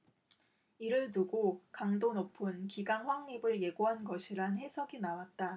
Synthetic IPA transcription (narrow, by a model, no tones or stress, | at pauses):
iɾɯɭtuɡokaŋdonopʰɯnkiɡaŋɸwaŋɲibɯɭje̞ɡoɦanɡʌɕʰiɾanhe̞sʰʌɡinawat̚t͈a